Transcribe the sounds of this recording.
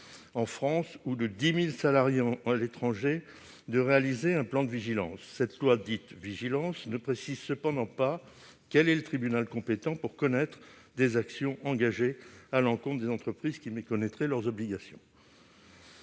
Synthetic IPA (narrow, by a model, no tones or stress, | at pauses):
ɑ̃fχɑ̃sud̪əd̪imilsalaʁjẽalet̪χɑ̃ʒe | d̪əʁealizeɛ̃plɑ̃d̪əviʒilɑ̰̃sːɛt̪lwad̪it̪viʒilɑ̃snəpχesizsəpɑ̃d̪ɑ̃pa | kɛlɛlət̪χibynalkɔ̃pet̪ɑ̃puʁkɔnɛt̪χd̪ezaksjɔ̃ʔɑ̃ɡaʒealɑ̃kɔ̃t̪d̪ezɑ̃t̪χəpχizkʲimekɔnɛt̪χɛlœʁzɔbliɡasjɔ̰̃